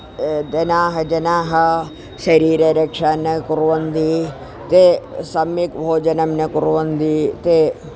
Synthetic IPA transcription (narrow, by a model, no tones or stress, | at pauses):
d̪ɐnaːɦɐd͡ʒɐnaːɦɐ̆ | ʃɐɾiːɾɐɾɐkʂaːnːɐkuɾʋɐnd̪i | t̪esɐmjikbʱoːd͡ʒɐnɐmnɐkuɾʋɐnd̪it̪e